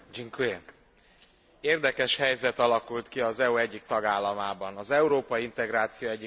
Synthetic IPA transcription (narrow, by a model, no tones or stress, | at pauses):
d͡ʒiŋkue | eːrd̪ɛkɛʃhɛjzɛt̪ɒlɒkult̪kiɒzɛuɛɟːik̚t̪ɒɡaːlːɒmaːbɒnɒzɛuɾoːpɒjiint̪ɛɡɾaːt̪sijoːɛɟːi